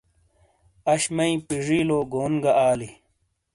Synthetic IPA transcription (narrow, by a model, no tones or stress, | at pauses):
ɐɕmɐĩpiʐiːloːɡoːnɡɐʔaːli